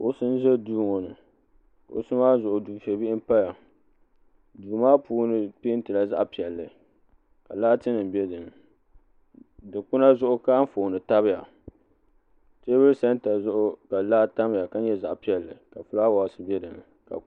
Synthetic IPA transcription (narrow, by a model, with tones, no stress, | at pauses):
o˦sɨ˦n˦zɛ˦duː˦ŋo˨nɨ˨ | ka̰˨ʔo̰˨sɨ˦maː˦zʊ˨ʔʊ˨du˨ʃɛ˨bi˦ʔɪ˦m˦pa˦ja˨ | duː˨maː˦puː˦nɨ˨pi˦n̩˦tɨ˨la˦za̰˦ʔpi˨ɛ˨lːɨ˨ | ka˨la˦tɨ˦nɨ˨m˨bi˦ɛ˦dɨ˨nɨ˨ | dɨ˨kʊ˦na˦zʊ˦ʔʊ˦ka˦ɱ̩˦foː˨nɨ˨ta˦βɪ˦ja˨ | te˦bɨ˦ɾɨ˦sa˦n˦ta˨zʊ˦ʔʊ˦ka˨laː˦ta˦m˦ja˨ka˦ɲɛ˦za˨ʔpi˨ɛ˨lːɨ˨ka˨fʊ˦laː˦wa˨sɨ˨bi˦ɛ˦dɨ˨nɨ˨ | ka̰˨